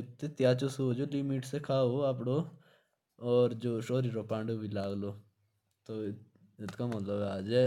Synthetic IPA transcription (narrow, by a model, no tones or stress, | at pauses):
ɪt̪ːet̪ɪjaːt͡ʃosoːd͡ʒoːlɪmiʈsekʰaːoːap̬ɽoː | ɔːɾd͡ʒoːʃoːɾiɾoːpãːɳɖobʱilaːɡloː | t̪o | ɪt̪kamət̪ləbaːd͡ʒɛː